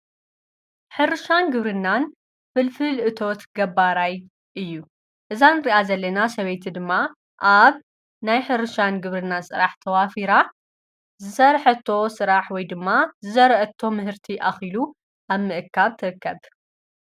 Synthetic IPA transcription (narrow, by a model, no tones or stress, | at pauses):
ħɨɾɨʃanɡɨβɾɨnːan | fɨlfɨlʔɨt̪ʰo̞t̪ɡɐbːaɾaj | ʔɨjːu | ʔɨzanɨɾiʔazɐlːɐnasɐβejt̪ʰid̪ɨmːa | ʔaβ | najħɨɾɨʃanɡɨβɾɨnːasʼɨɾaħt̪ʰɐwafiɾa | zɨsɐɾħɐt̪ʰːo̞sɨɾaħwɔjd̪ɨmːazɨzɐɾʔɐt̪ʰːo̞mɨɦɨɾt̪ʰiʔaxilu | ʔaβmɨʔɨkʰːaβt̪ʰɨɾɨkːɐβ